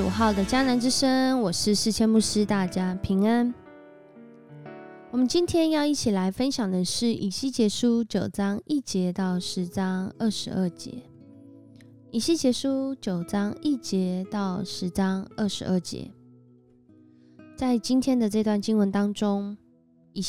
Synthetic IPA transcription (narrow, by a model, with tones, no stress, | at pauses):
ṵ˨˩xɑ˥˩ʊd̪ə˩t͡ɕja˥na˧˦nʈ͡ʂɻ̩˥ʂə˥ŋwɔ˨˩ʂɻ̩˥˧ʂɻ̩˥˩t͡ɕʰjɛ˥nmu˥˩ʂɻ̩˦t̪a˥˩t͡ɕja˥pʰi˧˥ŋa˦˥n | wɔ˨˩mə˨˦nt͡ɕi˥nt̪ʰjɛ˥njɑ˥˧ʊi˥˩t͡ɕʰi˨˩la˧˦ɪfə˦nɕjɑ˨˩ŋd̪ə˩ʂɻ̩˥˩ʔi˨˩ɕi˥˩t͡ɕjɛ˧˥ʂu˥t͡ɕjo˨˩ʊʈ͡ʂɑ˥ŋi˥˩t͡ɕjɛ˧˥˦t̪ɑ˥˩ʊʂɻ̩˧˦t͡sɑ˥ŋə˥˩ʂɻ̩˧˥ʔə˥˩t͡ɕjɛ̰˧˦ | i˨˩ɕi˥˩t͡ɕjɛ˧˥ʂu˦t͡ɕjo˨˩ʊʈ͡ʂɑ˥ŋi˥˩t͡ɕjɛ˧˦t̪ɑ˥˩ʊʂɻ̩˧˥t͡sɑ˥ŋə˥˩ʂɻ̩˧˥ʔə˥˩t͡ɕjɛ̰˧˥˦ | t͡sa˥˩ɪt͡ɕi˥nt̪ʰjɛ˥nd̪ə˨ʈ͡ʂɤ˥˧t̪wa˥˩nt͡ɕi˥ŋwə˧˦nt̪ɑ˥ŋʈ͡ʂʊ˥ŋ | i˨˩